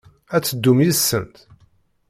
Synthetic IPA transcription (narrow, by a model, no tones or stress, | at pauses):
æt͡sːəd̪ːumjisːənt̪